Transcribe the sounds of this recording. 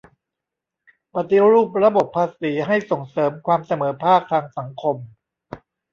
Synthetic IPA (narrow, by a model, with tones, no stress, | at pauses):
pa˨˩t̪i˧˦ɾuː˥˩p̚ɾa˧bo˨˩pʰːaː˧siː˩˦ɦa˥˩jso˨˩ŋsɤː˩˦mkʰwaː˧msa˧mɤː˩˦pʰaː˥˩k̚t̪ʰaː˧ŋsa˩˦ŋkʰo˧m